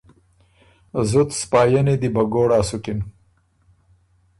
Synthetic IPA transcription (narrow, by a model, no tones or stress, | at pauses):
zʊt̪spɑːjaned̪ibaɡoːɽaːsukin